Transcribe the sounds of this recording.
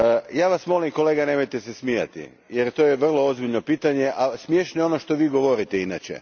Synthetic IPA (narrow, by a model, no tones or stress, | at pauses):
jaːʋasmo̞limko̞le̞ːɡanemojt̪esesmija̰t̪ḭ | jeɾt̪o̞ːjeʋr̩lˠo̞ozbiʎno̞piːt̪aɲe̞ʔasmʲjeʃnojono̞ʃt̪oʋiːɡo̞ʋo̞ɾit̪einat͡ɕḛ